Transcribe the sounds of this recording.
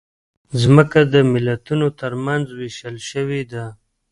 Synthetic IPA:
zməkad̪əmɪlat̪unot̪əɾmanzweʃəlʃəwid̪a

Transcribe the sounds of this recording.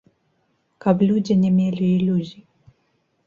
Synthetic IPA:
kablʲud͡zʲinʲɛmʲelʲiːlʲuzʲi

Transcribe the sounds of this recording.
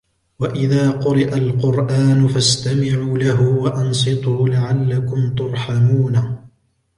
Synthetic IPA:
waʔɪðaːqʊɾɪʔalqʊɾʔaːnʊfast̪amɪʕuːlaɦʊwaʔansˤɨt̪ˤuːlaʕalːakʊmt̪ʊɾˤħamuːna

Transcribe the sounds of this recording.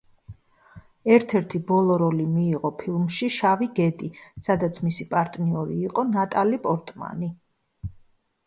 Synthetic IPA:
ɛɾt̪ʰɛɾt̪ʰibɔlˠɔɾɔlimiːʁɔpʰilˠmʃiʃaviɡɛd̪isad̪at̪sʰmisipʼaɾt̪ʼniɔɾḭːqʼɔnat̪ʼalipʼɔɾt̪ʼma̰ni

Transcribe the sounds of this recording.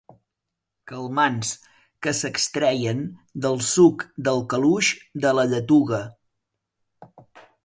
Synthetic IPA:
kəlˠmans | kəsəkst̪ɾɛjənd̪əlˠsukd̪əlˠkəluʃd̪ələʎət̪uɣə

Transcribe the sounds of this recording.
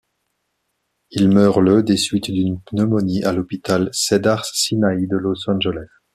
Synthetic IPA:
ilmœːʁləd̪esɥit̪d̪ynpnəmɔniʔalɔpit̪alsed̪aʁssinaid̪əlɔsɑ̃ʒɛlɛs

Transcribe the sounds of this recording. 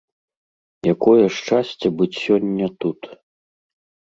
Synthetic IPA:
jakɔjɐʂt͡ʂasʲt͡sʲɐbɨt͡sʲsʲɔnʲːɐt̪ut̪

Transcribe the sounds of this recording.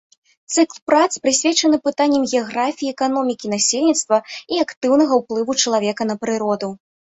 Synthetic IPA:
t̪sɨklˠpɾat̪spɾɨsʲvʲɛt͡ʂɐnɨpɨt̪anʲːɐmɣʲɛaɣɾafʲijiɛkanɔmʲikʲin̪asʲelʲnʲit̪st̪vɐiakt̪ɨwnɐɣɐwplˠɨvut͡ʂɐlˠavʲɛkɐnɐpɾɨɾɔd̪u

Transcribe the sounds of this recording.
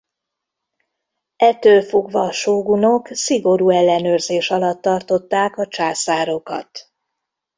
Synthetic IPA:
ɛt̪ːølfo̞ɡʋɒːʃoːɡuno̞ksiɡo̞ɾuːɛlːɛnøːrzeːʃɒlɒt̪ːɒrt̪o̞t̪ːaːkɒt͡ʃaːsaːɾo̞kɒ̰t̪

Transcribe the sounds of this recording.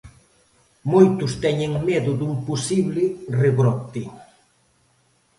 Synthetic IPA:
mojt̪ʊst̪ɛɲeŋmɛðʊd̪uŋposiβlɪreβɾɔt̪e

